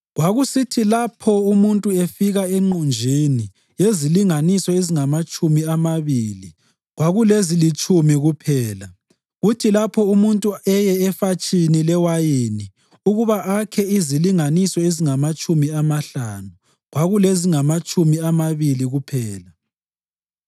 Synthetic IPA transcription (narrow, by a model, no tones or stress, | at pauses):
ɣwaɣusitʰilapʰɔumuntʼuefiɣaeŋ͡ǃund͡ʒʱini | jeziliŋanisɔeziŋamat͡ʃʼumiamaβiːli | ɣwaɣulezilit͡ʃʼumiɣupʰɛːla | ɣutʰilapʰɔumuntʼuɛjɛɛfat͡ʃʼinilɛwajeni | uɣuβaʔakʰɛiziliŋanisɔeziŋamat͡ʃʼumiamaɬanu | ɣwaɣuleziŋamat͡ʃʼumiamaβiliɣupʰɛːla | s